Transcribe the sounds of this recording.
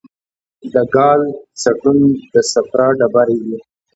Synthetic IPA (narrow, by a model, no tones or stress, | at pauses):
d̪əɡɑlt͡saʈund̪əsafɾɑɖabaɾeɡi